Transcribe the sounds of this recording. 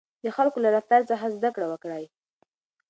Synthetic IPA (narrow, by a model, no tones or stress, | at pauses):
d̪əxalkolaɾaft̪aɾt͡saɦazd̪akɽawəkɽaj